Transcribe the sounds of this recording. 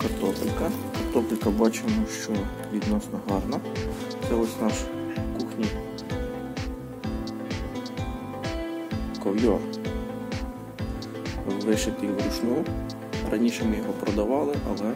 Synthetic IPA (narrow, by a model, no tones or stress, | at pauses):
kɐrt̪ɔpɪlʲkɐkɐrt̪ɔplʲkɐbɑt͡ʃemɔʃt͡ʃɔ | ʋʲid̪nɔsnɔɦɑrnɐt̪sɛɔsʲnɑʃkuxnʲij | kɔwjɔr | ʋɪʃɪt̪ɪjbɾʊʃnɔjʊ | rɐnʲiʃɛmɪjɔɦɔpɾɔd̪ɐʋɑlˠɪʔɐ̰lˠɛ